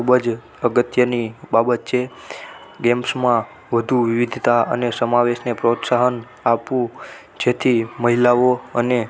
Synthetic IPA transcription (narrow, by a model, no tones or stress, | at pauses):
kʰubəd͡ʒ | əɡət̪jənibabət̪t͡ʃʰe | ɡɛmpsmã | ʋəd̪ʱuʋiʋid̪ʱt̪aə̰nesəmaʋeʃnepɾot̪saɦən | apũ | d͡ʒet̪ʰiməɦilaʋoəne